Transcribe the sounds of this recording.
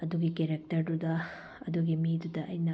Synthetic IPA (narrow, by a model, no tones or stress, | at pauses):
ɐd̪uɡikeɾek̚tɐɾdudɐ | ɐduɡimidudɐʔɐjnɐ